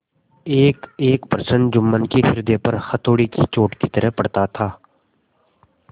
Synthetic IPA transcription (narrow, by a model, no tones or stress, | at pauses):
eːkeːkpəɾsənd͡ʒʊmːənkifɪɾd̪epɐɾxət̪oːɽikit͡ʃoːʈkit̪əɾəɦpɐɽt̪at̪ʰaː